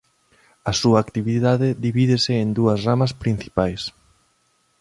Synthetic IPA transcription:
ɐsuɐːkt̪iβiðaðɪðiβiðɪsɪːnd̪uɐsramɐspɾin̟θi̥pajs

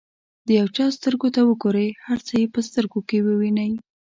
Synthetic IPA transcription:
d̪əjawt͡ʃɑst̪əɾɡot̪awəɡoɾəjhaɾt͡səjepəst̪əɾɡokewəwinəj

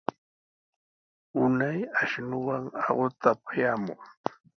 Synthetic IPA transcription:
ʊnajaʃnʊwaŋɑɢʊt̪apḁjaːmʊ̰ŋ

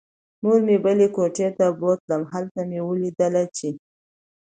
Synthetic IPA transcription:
muɾmebəlekoʈet̪abot̪ləmɦalt̪amewəlid̪əlat͡ʃe

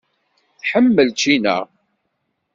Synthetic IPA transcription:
θħəmːəlt͡ʃinə̰ʁ

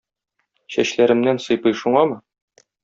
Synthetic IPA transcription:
ɕæɕlæɾɘ̆mnænsɤ̆jpɤjʃuɴɑmɤ

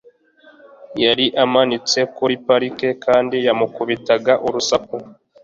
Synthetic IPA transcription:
jaɾiʔamanit͡se̞kuɾipaɾike̞kaːndijamukuβitaɡaʔuɾusak̚o

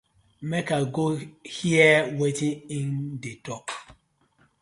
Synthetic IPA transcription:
mɛkaɡohiəwetĩŋĩndetɔk

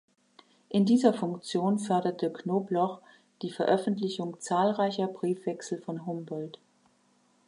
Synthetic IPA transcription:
ʔɪndiːzɐfʊŋkt͡sjoːnfœɐdɐtʰəknoːblɔχ | d̥iːfɛɐʔœfn̩tlɪçʊŋt͡saːlʁaɪçɐbʁiːfv̥ɛksl̩fɔnɦʊmbɔlt

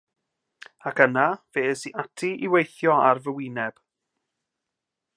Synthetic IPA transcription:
akənaveːsiʔatʰiʔiwejθjɔarvəwɪnɛb̥

